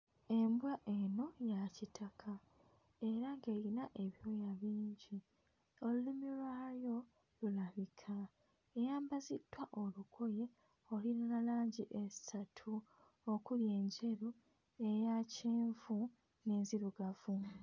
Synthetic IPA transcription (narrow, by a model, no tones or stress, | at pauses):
embwaʔe̞no̞jacitʰakʰa | e̞ɾaŋɡe̞ːɾinaʔe̞βio̞jaβiːɲɟi | o̞lulimilwaːjo̞ | lulaβikʰa | ejaːmbazitːwaʔo̞lukʰo̞je̞ | o̞linanalaːɲɟiʔesatʰu | okulje̞ːɲɟe̞ɾu | e̞jaceːɱvu | ne̞ːnziɾuɡavu